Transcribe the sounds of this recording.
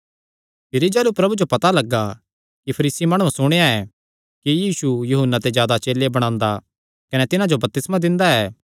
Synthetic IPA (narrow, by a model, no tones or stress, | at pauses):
pʰɪɾid͡ʒɛːlupɾɐbud͡ʒopɐt̪alɐɡːa | kipʰɐɾiːsimaːɽ̃ũsʊɽ̃eaɛː | kijiːsujuɦənːat̪ezjaːd̪at͡ʃeːlebɐɽ̃ãːnd̪a | kɐnɛt̪ɪnãd͡ʒobɐp̚t̪ɪsmad̪ɪ̃nd̪aɛː